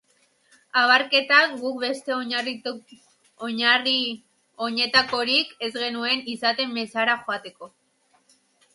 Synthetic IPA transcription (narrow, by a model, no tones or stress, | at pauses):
aβaɾke̞t̪akɡuk̚βe̞st̪e̞ori | oɲari | oɲe̞t̪ako̞ɾike̞zɣe̞nue̞nisat̪e̞mːesaɾaxoat̪e̞ko̞